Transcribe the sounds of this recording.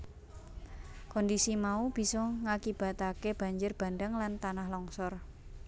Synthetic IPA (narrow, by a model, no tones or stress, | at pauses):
kɔndisimaub̥i̤sɔŋakib̥a̤t̪akeb̥a̤ɲd͡ʒʊrb̥a̤ndəŋlant̪anahlɔŋsɔr